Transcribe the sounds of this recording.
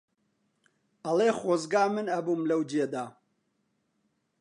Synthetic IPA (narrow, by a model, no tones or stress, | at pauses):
ɐlˠeːχoːzɡaːmɨnɐbumlɐwd͡ʒed̪aː